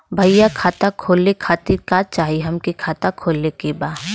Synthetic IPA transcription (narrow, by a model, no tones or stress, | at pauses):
bʱɐɪjakʰaːt̪akʰoːlːekʰaːt̪iɾkaːt͡ʃaːɦiɦɐmkekʰaːt̪akʰoːlekebaː